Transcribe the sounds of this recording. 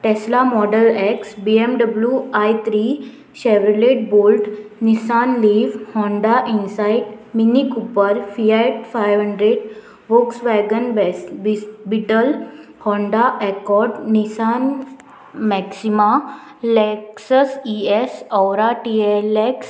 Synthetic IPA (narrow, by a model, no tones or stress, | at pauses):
ʈeslamɔɖəlɛksbiemɖəbljuajt̪ʰɾi | ɕɛʋɾileʈ̚bolʈnisanliʋhɔ̃ɳɖaʔinsaiʈminikupəɾfiajʈ̚fajʋɦəɳɖɾeɖ | ʋoksʋɛɡənʋsibiʈəlhɔ̃ɳɖaʔɛkɔɾɖnisan | mɛksima | leksəsiesɔwɾaʈieleks